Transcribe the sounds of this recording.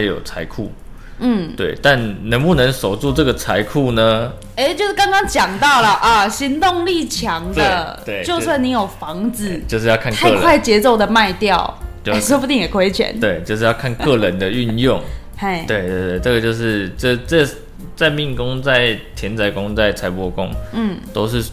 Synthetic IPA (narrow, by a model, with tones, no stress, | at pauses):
a˥jo̰˨˩ʊt͡sʰa˧˥ɪkʰṵ˥˩ | n̩˥˩t̪we˥˩ɪt̪a˥˨nnə˧˥ŋpu˥˩nə˧˦ŋso˨˩ʊt͡su˥˧ʈ͡ʂə˥˩ɡə˩t͡sʰa˧˦ɪkʰu˥˩nə˦ | e˧˥ɪt͡ɕjo˥˧ʊʂ̩˥kɑ˥ŋkɑ˥ŋt͡ɕjɑ˨˩ŋt̪ɑ˥˩ʊlə˩ʔɐ˨˩ɕi˧˥nt̪ʊ˥˧ŋli˥˩t͡ɕʰjɑ˧˥ŋd̪e˥ə˩˧t̪we˥˩ɪt͡ɕjo˥˧ʊswa˥˩ni˧˥jo˨˩ʊfɑ˨˧˦ŋd͡zɹ̩˨˦t͡ɕjo˥˧ʊʂ̬ɻ̩˧jɑ˥˧ʊk̪ʰa˥˧˥kwa˥˩ɪt͡ɕjɛ˧˥t͡so˥˩ʊd̪ə˩ma˥˧ɪt̪jɑ˥˨ʊt͡ɕo˥˧˨pu˥˩i˥˩ŋjɛ˨˩kʰwe˥ɪt͡ɕʰɥɛ̰˨˦nt̪we˥˩ɪt͡ɕjo˥˧ʊʂɻ̩˥˧jɑ˥˧ʊkʰa˥˧nkɤ˥˧lə˧˦nd̪ə˨y˥˧njo˥˨˩ŋ | e˥˩ɪwe˥˧ɪt̪we˥˧ɪt̪we˥˩ɪʈ͡ʂə˥˩ɡə˩t͡ɕjo˥˧ʊʂɻ̩˥˩ʈ͡ʂə˥t͡sə˥˩ | t͡sa˥˧ɪmi˥˩ŋkʊ˥ŋt͡sa˥˩ɪt̪ʰjɛ˧˥nt͡sa˧˥ɪkʊ˥ŋt͡sa˥˩ɪt͡sʰa˧˥ɪpwɔ˧kʊ̰˦˥ŋn̩˥˩t̪o˥ʊʂɻ̩˥˩